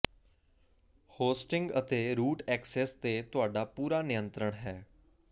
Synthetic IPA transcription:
hoːsʈɪ̃ŋɡət̪eːɾuːʈɛːksɛːst̪eːt̪ʊaːɖaːpuːɾaːnɪjə̃nt̪ɾəɽ̃ɦɛː

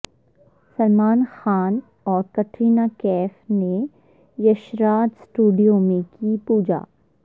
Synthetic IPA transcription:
sɐlmaːnxaːn | ɔːɾkɐʈʰɾiːnakɛːfne | jɐʃɾaːt̪sʈuːɖijõmẽkipuːd͡ʒa̰ː

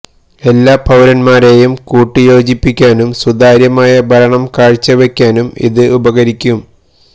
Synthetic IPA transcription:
e̞lːaːpʰɐwɾɐnmaːɾe̞ːjumkuːʈːɨjo̞ːd͡ʑipːikʲːaːnumsud̪aːɾjɐmaːjɐbʱɐɾɐɳɐmkaːɻt͡ɕːɐʋekʲːaːnumḭðɨʔubɐɣɐɾikʲːum

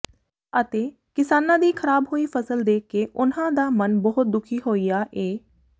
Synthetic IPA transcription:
ət̪eː | kɪsaːnãːd̪iːkʰəɾaːbɦoːiːpʰəsəld̪eːkːeːʔʊnãːd̪aːmənbəɦʊt̪̚d̪ʊkʰiːɦoːiːaːʔeː

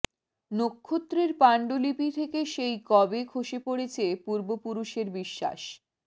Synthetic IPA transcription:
nokʰːot̪ːɾeɾpaɳɖolipit̪ʰekeʃejkɔbekʰoʃepoɽet͡ɕʰepuɾbopuɾuʃeɾbiʃːa̰ʃ

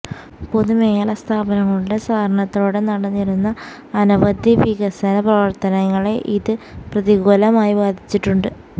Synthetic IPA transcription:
poðumeːjɐɭɐst̪ʰaːbɐnɐŋːɐɭuɽesaːɾɐɳɐt̪ːo̞ːɽe̞nɐɽɐnːiɾunːɐː | nuʋɐd̪jiʋiɣɐsɐnɐprɐʋɐrt̪ɐnɐŋːɐɭe̞ʔiðɨprɐðiɡoːlɐmaːjiʋaːd̪ʱit͡ɕːiʈːuɳɖɨ

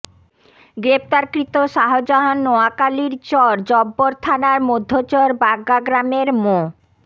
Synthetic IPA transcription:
ɡɾept̪aɾkɾit̪oʃaɦod͡ʑɔɦonːɔakaliɾt͡ɕɔɾd͡ʑɔbːoɾt̪ʰanaɾmod̪ʱːot͡ɕɔɾbaɡːaɡɾameɾmo

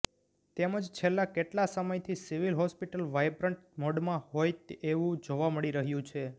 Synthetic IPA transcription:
t̪eməd͡ʒt͡ʃʰelːakeʈlasəməjt̪ʰisiʋilɦɔspiʈəlʋajbɾəɳʈmɔɖmãhojt̪eʋũd͡ʒoʋaməɽiɾəɦjũt͡ʃʰe

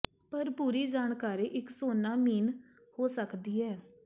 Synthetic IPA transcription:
pəɾpuːɾiːd͡ʒaːɳkaːɾiːʔɪksoːnaːmiːn | hoːsəkd̪iːɦɛː

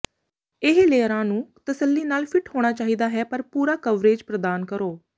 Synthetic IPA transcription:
ɪɦleːɾãːnũːt̪əsəlːiːnaːlpʰɪʈhoːɽ̃aːt͡ʃaːɦiːd̪aːɦɛːpəɾpuːɾaːkəʋɾeːd͡ʒpɾəd̪aːnkəɾoː

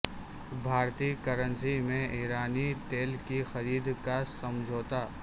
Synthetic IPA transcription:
bʱaːɾt̪ikəɾə̃nsimẽʔɪːɾaːnit̪eːlkixɐɾiːd̪kasɐmd͡ʒʱoːt̪a

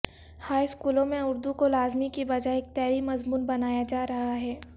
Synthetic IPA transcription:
haːiskuːlõmẽʊɾd̪ukolaːzmikibɐd͡ʒaeːk̚t̪ɛːɾimɐzmuːnbɐnaːjad͡ʒaːɾɐɦaɦɛː

